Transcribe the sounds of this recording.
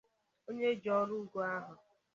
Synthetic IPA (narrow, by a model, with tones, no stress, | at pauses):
o˦ɲe˦d͡ʒɔ˦ɾu˦ɡo˦a˦ɦʊ˨